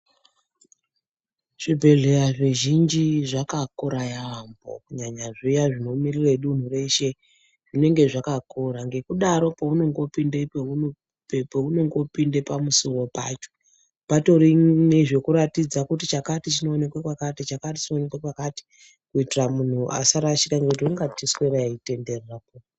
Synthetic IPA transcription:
ʐ̥ibʱe̞ɮe̞raʐeʒind͡ʒiʐakakoɾajaambo̞̰kuɲaɲaʐijaʐino̞mirireɗun̤ure̞ʃe̞ | ʐ̥ine̞ŋɡe̞ʐakakoɾaŋɡe̞kuɗaɾo̞pauno̞ŋɡo̞pindepeu | pepouno̞ŋɡo̞pindepamusiwo̞pa̰ːt͡ʃo̥ | pato̞ɾineʐe̞kuɾatid͡zakutit͡ʃakatit͡ʃino̞ːne̞kwakwakatit͡ʃakatit͡ʃino̞nekwakwakati̥ | kuitiramun̤uʔa̰saɾaʃikaŋɡeut̬iuŋɡatisweɾaite̞nderapo

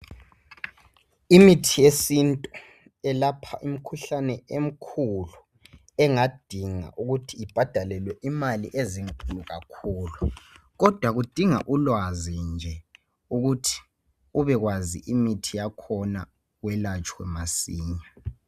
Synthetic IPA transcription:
imitʰijesintʼɔ | ɛlapʰaʔim̩kʰuɬanɛem̩kʰulu | ɛŋad̥ʱiŋa̰ʔuɣutʰiib̥ʱad̥ʱalɛlwɛʔimalḭʔeziŋkʼuluɣakʰuːlu | ɣɔd̥ʱwaɣud̥ʱiŋa̰ʔulwazind͡ʒʱɛ | uɣutʰi̥ | uβɛɣwazḭʔimitʰijakʰɔna | ɣwɛlat͡ʃʼwɛ̰masiːɲa

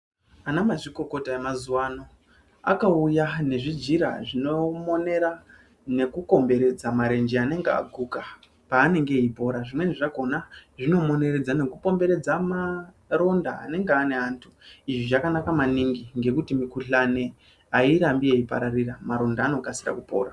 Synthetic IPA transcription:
anamaʐiko̞ko̞taemazuwaːno̞ | a̰kaujane̞ʐid͡ʒiɾa̰ʐino̞mo̞ne̞ɾa | ne̞kuko̞mbe̞ɾe̞d͡zamaɾe̞nd͡ʒiane̞ŋɡea̰ɡʱuka | paːne̞ŋɡe̞ipo̞ɾaʐimwe̞niʐaɡʱo̞naʐino̞mo̞ne̞ɾe̞d͡zane̞kupo̞mbe̞ɾe̞d͡zama | ɾo̞nda̰ːne̞ŋɡeane̞ɦaːntʰuiʐiʐakanakamaniŋɡiŋɡe̞kutimikuɬane̞ | aiɾambieipa̰ɾariramaɾo̞ndaːno̞kasida̰kupo̞̰ːra

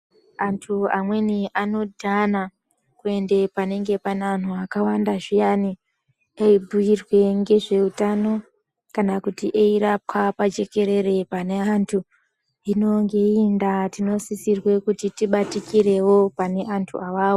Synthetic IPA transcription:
antʰuamwe̞niʔano̞dʱana | kue̞nde̞pane̞ŋɡe̞panan̤uakawandaʐijani | eibʱujirwe̞ŋɡe̞ʐe̞utano̞ | kanakutiʔeiɾap̚wapad͡ʒe̞ke̞ɾe̞re̞pane̞antʰu | ino̞ŋɡe̞indatino̞sisirwe̞kutitiɓatikiɾe̞wo̞pane̞ʔantʰṵawaːwo

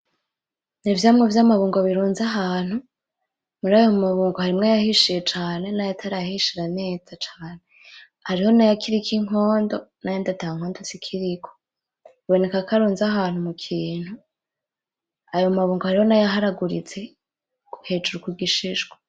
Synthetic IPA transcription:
nivjaːmŋevjamaβuːŋɡoβiɾuːnzaɦaːn̥hu | muɾajomaβuːŋɡohaɾimŋajahiʃije̞t͡ʃaːne̞najatʰaɾaahiʃiɾane̞ːd͡zat͡ʃaːne̞ | haɾiho̞najakʰiɾikʰiŋ̥o̞ːndo̞najoːndataŋ̥ho̞ːndosikʰiɾikʰo | βo̞ne̞kakaɾuːnzaɦaːn̥umukʰiːn̥hu | ajomaβuːŋɡohaɾiho̞najaɦaɾaɡuɾit͡se̞ | ɡ̥uhe̞ːd͡ʒuɾukuɡiʃiʒɡwa

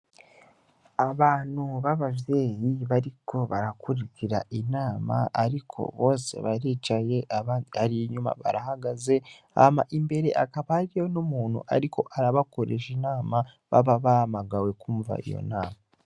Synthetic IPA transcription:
aβaːn̥huβaβavje̞ːjiβaɾiko̞βaɾakuɾikiɾa̰ʔinaːma̰aɾikʰo̞̰βo̞ːse̞̰βaɾit͡ʃaje̞ʔaβaːndiaɾijiɲuma̰βa̰ɾahaɡaze̞ | a̰maʔimbe̞ɾe̞ʔakaβaɾijonomuːn̥ṵʔa̰ɾikʰo̞ʔaɾaβakoɾeʒinaːma | βa̰βaβaamaɡawe̞kuːɱva̰ḭjo̞̰naːma

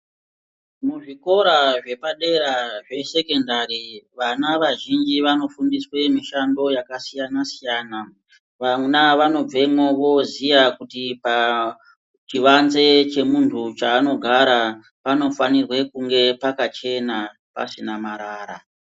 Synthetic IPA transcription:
muʐiko̞ɾaʐe̞paɗe̞ɾaʐe̞se̞ke̞ndariʋanaʋaʒind͡ʒiʋano̞fundiswe̞miʃando̞jakasijanasijaːna | ʋanaʋano̞b͡ve̞moʋo̞zijakutipa | t͡ʃiʋanze̞t͡ʃe̞muntʰut͡ʃaːno̞ɡʱaɾa | pano̞fanirwe̞kuŋɡe̞pakat͡ʃe̞na | pa̰sinamaɾaːɾa̰

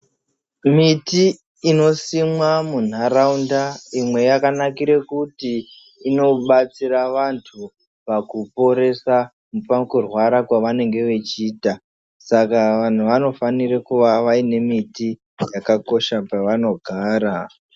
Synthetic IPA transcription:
mitiː | no̞simwamun̤araundaimwe̞jakanakiɾe̞kutiː | no̞ɓat͡siɾaʋantʰu | pakupo̞ɾe̞sa | mupakurwaɾakwaʋane̞ŋɡe̞ʋe̞t͡ʃiːta | sakaʋan̤uʋano̞fanirekuʋaʋaine̞miti | jakako̞ʃapaʋano̞ɡʱaːɾa

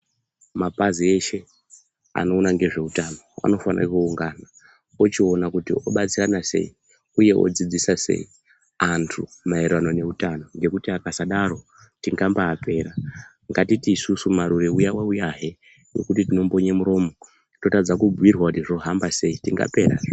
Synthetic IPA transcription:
mapazie̞ʃe̞ | a̰noːnaŋɡe̞ʐe̞utano̞a̰no̞fana̰kuuŋɡaːna | ot͡ʃio̞nakutio̞̰ɓat͡siranase̞̰i | uje̞ʔo̰d͡zid͡zisase̞̰i | antʰumaerwano̞ne̞utano̞ŋɡe̞kutiakasaɗaɾo̞ | tiŋɡambaːpʰe̞ːɾa | ŋɡatitiːsusumaɾuɾeujawaujaɦe | jo̞̰kutitinombo̞ɲemuɾo̞ːmo̞ | to̞tad͡zakubwirwakutiʐo̞ɦambase̞itiŋɡa̰pe̞ɾa̰

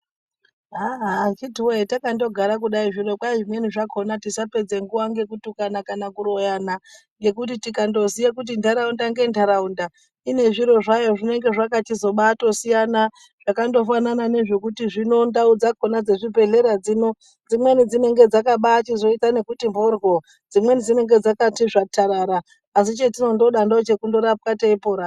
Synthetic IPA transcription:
ɦaɦakituweetakando̞ɡʱaɾakuɗaiʐiro̞kwaiʐimwe̞niʐakʰo̞natisape̞d͡ze̞ŋɡuwaŋɡe̞kutukanakanakuro̞jana | ŋɡe̞k̬utitikando̞sijak̬ut̬indaɾaundaŋɡe̞ndʱaɾaunda | ine̞ʐiɾo̞ʐajo̞ʐine̞ŋɡe̞ʐakatizo̞ɓaːto̞sijana | ʐ̥akando̞fananane̞ʐe̞kutiʐino̞ndaud͡zakonad͡ze̞ʐibʱe̞ɮe̞ɾad͡zino̞ | d͡zimwe̞nid͡zine̞ŋɡe̞d͡zakaɓaːt͡ʃizo̞itane̞kutimborwo̞ | d͡zimwe̞nid͡zine̞ŋɡe̞d͡zakatiʐatʰaɾaɾaː | s̬it͡ʃe̞tino̞ndo̞ɗandot͡ʃe̞kundo̞ɾap̚kateipoːɾa

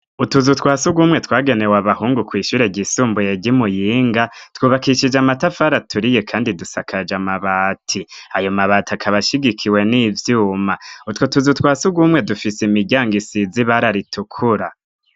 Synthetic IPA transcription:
utuzutwaːsuɡwumŋe̞tʰwaːɡe̞ne̞waβahuːŋɡukwiːʃuːɾe̞ɟisuːmbujeɟimujiːŋɡatwuːβakiʃid͡ʒamatafaɾatʰuɾije̞kʰaːndidusakʰad͡ʒamaβaːtʰiajo̞maβaːtiakʰaβaʃiɡikʰiwe̞niːvjuːmautwotuzutwaːsuɡwumŋe̞dufisimiɟaːŋɡisiziβaɾaɾitʰukʰuɾa

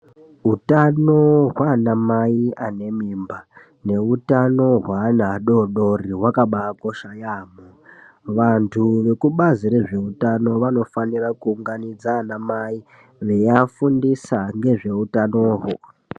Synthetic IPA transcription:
ɦutanoɦwanamaiane̞mimba | ne̞utano̞ɦwanaɗoɗo̞riɦwakaɓakoʃajaːmo | ʋantʰuʋe̞kuɓaziɾe̞ʐe̞utano̞ʋano̞fanirakuːŋɡanid͡zanamai | ʋe̞jafundisaŋɡe̞ʐe̞utanoːɦo

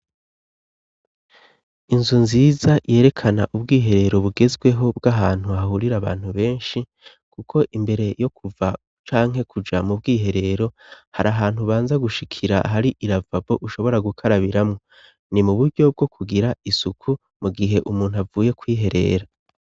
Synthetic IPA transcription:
inzunziːzaje̞ːɾe̞kʰanaʔubɡiːɦe̞ɾe̞ɾo̞βuɡe̞zɡwe̞ɦo̞bɡaɦaːn̥huahuɾiɾaβa̰ːn̥huβe̞ːnʃi | kʰukʰo̞ʔimbe̞ɾe̞jo̞kʰuva | t͡ʃaːŋɦe̞kʰud͡ʒamubɡiːɦe̞ɾe̞ɾo̞haɾaɦaːn̥huβaːnzaɡuʃikʰiɾa̰ɦaɾiʔiɾavabo̞ʔuʃo̞βo̞ɾaɡukʰaɾaβiɾamŋo̞ | nimuβuɟo̞b̚ɡo̞kʰuɡiɾaisukʰu | muɡiɦe̞ʔumuːnhuavuːje̞kwiːɦe̞ɾe̞̰ːɾa

